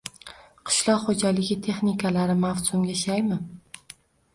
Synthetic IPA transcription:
qʰɨ̥ʃlˠɒqχod͡ʒalɪɡʲɪt̪ʰe̞χnɪkʰalaɾɪmafsʊmɡʲaʃajmɪ

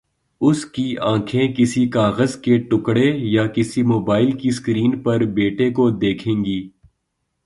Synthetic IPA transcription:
ʊskiãːkʰẽkɪsikaːɣəzkeʈʊkɽejakɪsimoːbaːɪlkiskɾiːnpɐɾbeːʈekod̪eːkʰẽːŋɡiː

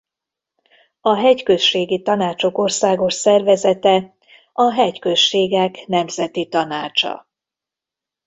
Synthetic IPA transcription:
ɒɦɛckø̞ʃʃeːɡit̪ɒnaːt͡ʃo̞ko̞rsaːɡo̞ʃsɛrvɛzɛt̪ɛ | ɒɦɛckø̞ʃːeːɡɛknɛmzɛt̪it̪ɒnaːt͡ʃɒ̰

